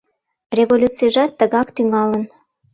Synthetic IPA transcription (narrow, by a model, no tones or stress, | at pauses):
reβolʲut͡siʒɑt̪ːəɣɑkt̪yŋɑlən